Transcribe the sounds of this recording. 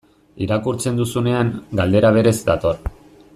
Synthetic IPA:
iɾakuɾt͡se̞nd̪usune̞aŋɡald̪e̞ɾaβ̞e̞ɾe̞zd̪at̪o̞r

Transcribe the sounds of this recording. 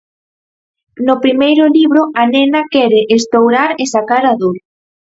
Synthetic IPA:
nʊpɾimejɾʊliβɾʊanenɐkɛɾɪʔest̪owɾaɾesakaɾaðoɾ

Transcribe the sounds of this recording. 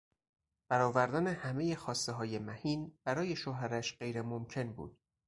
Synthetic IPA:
b̥æɾɒːvæɾd̪ænehæme̞je̞xɒːst̪eɦɒːje̞mæhiːnb̥æɾɒːje̞ʃoːɦæɾæʃɢe̞jɾemomcʰe̞nbṵːd̪̥

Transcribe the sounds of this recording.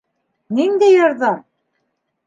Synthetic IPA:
nind̪æjɤ̆ɾðɑ

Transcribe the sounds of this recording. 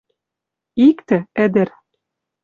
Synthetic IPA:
ikt̪ɘ̆æd̪ɘ̆ɾ

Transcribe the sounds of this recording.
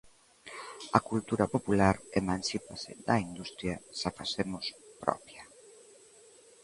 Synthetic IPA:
akult̪uɾɐpopulaɾemãnsipasɪ̰d̪ɐind̪ust̪ɾjasafasemospɾɔ̰pja

